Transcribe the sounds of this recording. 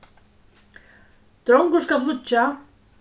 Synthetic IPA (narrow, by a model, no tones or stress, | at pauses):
t̪ɾowŋkʊskaflʊt͡ɕːa